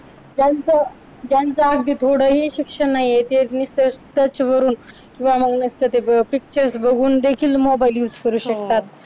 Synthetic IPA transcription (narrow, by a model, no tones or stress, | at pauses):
d͡ʑant͡sa | d͡ʑjãnt͡saaɡ̚d̪iːt̪ʰoɽəɦiɕikʂənːaɦijet̪enist̪əst̪ət͡ɕʋəɾuːn | kĩw̃ʋaməɡnəst̪ət̪epik̚t͡ɕəɾsbəɡʱuːnd̪ekʰiːlmobajlut͡skəɾuːɕək̚t̪at̪̚